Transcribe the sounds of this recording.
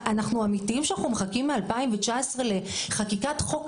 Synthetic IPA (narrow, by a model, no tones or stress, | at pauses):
anaχnuamitiimʃeanaχnumeχakimːealpaimvet͡ʃaesʁele̞χakikatχo̞k